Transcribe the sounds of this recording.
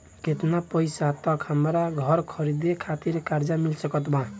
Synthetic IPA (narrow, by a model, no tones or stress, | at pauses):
ket̪napəjsat̪ɔkɦəmɾaɡʱʌɾkʰʌɾid̪ekʰat̪iɾkaɾd͡ʒamilsəkɔt̪bã